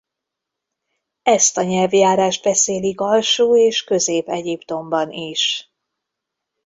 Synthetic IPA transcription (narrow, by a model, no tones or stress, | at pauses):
ɛst̪ɒɲɛlvjaːɾaːʒd̪̚bɛseːliɡɒlʃuːeːʃkø̞zeːpɛɟipt̪o̞mbɒniʃ